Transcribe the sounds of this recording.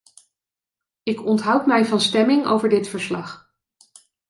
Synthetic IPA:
ɪkɔntɦɑwtmɛjvɑnstɛmɪŋo̰wvəɹdɪtfəɹslɑχ

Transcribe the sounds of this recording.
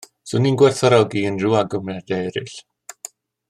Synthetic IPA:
sʊninɡwɛrθɔɾɔɡiənruaɡəmɛdejɾɪɬ

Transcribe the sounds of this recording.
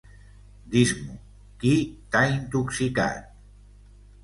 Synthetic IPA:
d̪izmu | kit̪aint̪uksika̰t̪̚

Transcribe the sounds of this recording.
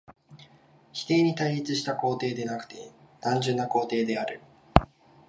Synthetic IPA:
çi̥t̪e̞ːɲ̟it̪aiit͡sɨɕi̥t̪ako̞ːt̪e̞ːd̪e̞nakɯ̟̥t̪e̞nãɲ̟d͡ʑɨ̃nːako̞ːt̪e̞ːd̪e̞aɾɯ̟

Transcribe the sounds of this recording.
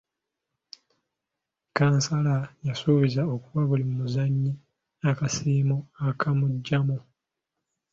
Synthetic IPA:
kaːnsalajasoβezao̞kuβaβulimumuzaɲːi | akasiːmuakʰamuɟːamu

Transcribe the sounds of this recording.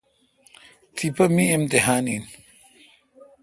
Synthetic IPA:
t̪ʰipɐmiemt̪eɦaːnin

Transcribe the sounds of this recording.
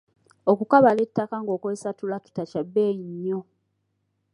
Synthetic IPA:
okukaβale̞tːakaŋɡo̞ːkwesatulaki̥tacabːeːjiɲːo

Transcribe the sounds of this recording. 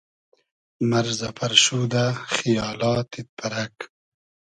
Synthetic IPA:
maɾzapʰɐɾʃuːd̪axijɑːlɑːt̪it̪̚pʰaɾak

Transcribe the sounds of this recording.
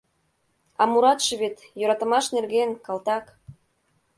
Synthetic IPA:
ɑmuɾɑt̪ʃĕβet̪jøɾɑt̪ə̆mɑʃnerɣenkɑlt̪ɑk

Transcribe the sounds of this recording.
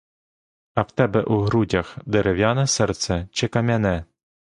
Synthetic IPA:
ɐwt̪ɛbɛʔuɦɾudʲɐxd̪eɾewjanɐsɛrt̪sɛt͡ʃɪkɐmʲɐnɛ

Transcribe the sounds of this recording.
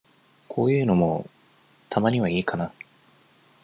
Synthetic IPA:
kʰo̞ːjɯ̟ːno̞mo̞ | t̪ʰamaɲ̟iβaiːkana

